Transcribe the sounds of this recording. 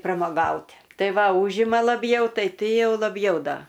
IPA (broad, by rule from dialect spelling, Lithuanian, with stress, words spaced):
prɐmoːˈɡɐʊtʲ ˈtɐɪ ˈʋɐ ˈuːʒʲɪmɐ lˠɐˈbʲjɛʊ ˈtɐɪ ˈtʲɪ ˈjɛʊ lˠɐˈbʲjɛʊ ˈdɐ